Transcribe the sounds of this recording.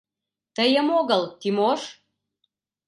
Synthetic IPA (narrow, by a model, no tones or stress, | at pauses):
t̪əjəmoɣəlt̪imoʃ